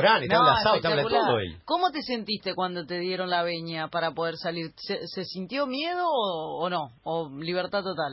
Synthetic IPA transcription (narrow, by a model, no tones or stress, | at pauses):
ɾanenãlasaoet̪aaulaaoḛjkomo̞t̪ese̞nt̪ist̪e̞kwand̪ot̪e̞ðje̞ɾo̞nlaβeɲapaɾapo̞ð̞eɾsaliɾsesesint̪jo̞mjeð̞oːnõ̞ːliβ̞eɾt̪at̪ot̪al